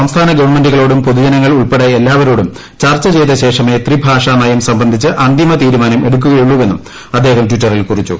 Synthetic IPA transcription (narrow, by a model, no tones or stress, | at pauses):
sɐmst̪ʰaːnɐɡɐʋɐrɳme̞nduɣɐɭo̞ːɽumpoðud͡ʑɐnɐŋːɐɭuɭpeɽɐelːaːʋɐɾo̞ːɽum | t͡ɕɐrt͡ɕːɐt͡ɕe̞jt̪ɐɕe̞ːʂɐme̞ːt̪ribʱaːʂaːnɐjɐmsɐmbɐnd̪ʱit͡ɕːɨʔɐnd̪ʱimɐt̪iːɾumaːnɐme̞ɽuk̬ːuɣɐjuɭːuʋenːum | ɐd̪ːeːhɐmtwitːɐrilkurit͡ɕːṵ